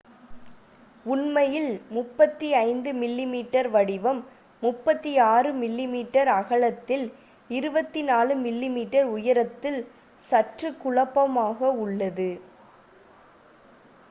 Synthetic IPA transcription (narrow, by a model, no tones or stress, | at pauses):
ʊnmɐjɪlmʊpːɐt̪ːiɐɪnd̪ɯmɪlːimiːʈːɐɾʋɐɽɪʋɐmː | ʊpːɐt̪ːiaːrɯmɪlːimiːʈːɐɾɐɣɐɭɐt̪ːɪl | ɪɾɯbɐt̪ːinaːlɯmɪlːimiːʈːɐɾʊjɐɾɐt̪ːɪl | sɐʈrɯkːʊɭɐpːɐmaːɣɐʊɭːɐðɯ